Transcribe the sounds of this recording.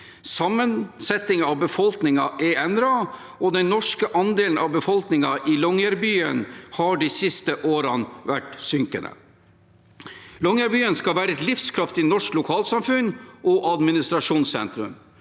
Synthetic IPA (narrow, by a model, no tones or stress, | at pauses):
sɑmːənsɛt̪ɪŋɑʋbəfɔlknɪŋɑʔɛɛnd̪ɾɑ | ɔd̪ɛnnːɔʂkəʔɑnd̪eːln̩ʔɑʋbəfɔlknɪŋɑʔɪlɔŋæɾbyːə̰nhɑɖisɪst̪əʔoːɾɑnʋæʈsʏŋkə̰nə̰ | lɔŋæɾbyːənskɑʋæːɾəɛt̪lɪfskʰɾɑft̪ɪnɔʂklʊkʰɑːlsɑmfʉnːʔɔʔɑd̪mɪnɪst̪ɾɑʂuːnsɛ̰nt̪ɾʉ̰m